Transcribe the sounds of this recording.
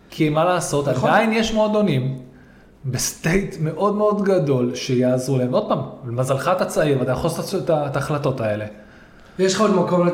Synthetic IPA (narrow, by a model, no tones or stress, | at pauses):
kʰiemalaːso̞t̪aainjeʃmeod̪o̞nim | be̞st̪e̞jt̪me̞ʔo̞d̪me̞o̞d̪ɡado̞lʃe̞jaːzʁulae̞mo̞d̥̚paːmmazalχat̪at͡saiʁvad̪ajχost̪atataːχlato̞tae̞le̞ | jeʃχaodmakoml